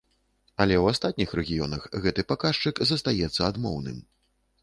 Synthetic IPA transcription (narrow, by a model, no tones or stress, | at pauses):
ɐlʲɛwast̪at̪̚nʲixrɛɣʲijɔ̰nɐxɣɛt̪ɨpakaʂt͡ʂɨkzɐst̪ajɛt̪sːɐad̪mɔ̰wnɨ̰m